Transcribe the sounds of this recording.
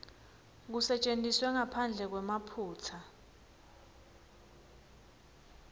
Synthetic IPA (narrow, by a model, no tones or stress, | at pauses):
k̬usɛt͡ʃʼentʼiswɛŋapʰand͡ɮʱɛk̬wɛmapʰuːt͡sʰa